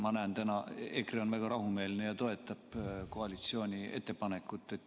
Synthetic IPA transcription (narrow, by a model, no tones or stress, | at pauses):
mɑnænt̪ænɑekreo̞nvæɡ̥ɑɾʔɑɦume̞ːlnejɑt̪o̞e̞t̪ːˑɑb̥ko̞ɑlit̪sio̞ːnʲie̞̰t̪ˑːe̞pɑne̞kːˑut̪ˑːe̞t̪ːˑ